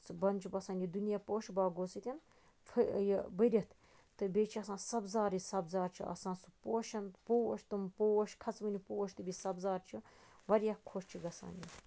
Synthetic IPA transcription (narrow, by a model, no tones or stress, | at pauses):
t͡sbɐnʲt͡ʃʰbɐsaːnʲid̪unijaːpoːʃbaːɡosit̪ʲin | fʰɨjbəɾʲɐt̪ʰ | t̪ɨbʲeːt͡ʃʰiɐsãːsɐbzaːɾisɐbzaːɾt͡ʃʰḭʔɐ̰sãːnsupoːʃɐnpoːwɐʃt̪umpoːwɐʃkʰɐt͡smɨnʲipoːwɐʃt̪ɨbisɐbzaːɾt͡ʃʰuʋɐɾʲjahkʰːoʃt͡ʃʰiɡɐsa̰ːnʲi